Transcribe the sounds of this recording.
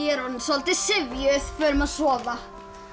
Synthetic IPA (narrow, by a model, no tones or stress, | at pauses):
ɛɾɔnsɔlt̪ɪsɪvjʏθfœːɾʏmaðsɔːva